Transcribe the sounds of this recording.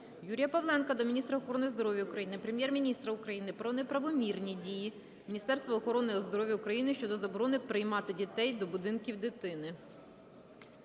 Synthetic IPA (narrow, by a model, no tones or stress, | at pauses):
juɾʲijɐpɐʋlˠɛnkɐd̪ɔmʲnʲist̪ɾɐɔxɔɾɔnɪjzd̪ɔɾɔʋʲjɐukɾɐjinɪpɾemjɛrmʲinʲist̪ɾɐʊkɾɐjinɪpɾɔnɛpɾɐʋɔmʲirnʲidʲiji | mʲinʲist̪ɛrst̪ʋɐːxɔɾɔnɪɔzd̪ɔɾɔʋʲjɐukɾɐjinɪʃt͡ʃɔd̪ɔzɐbɔɾɔnɪpɾɪjmɑt̪ɪdʲit̪ɛjd̪ɔbʊd̪ɪnkʲiwd̪ɪt̪ɪnɪ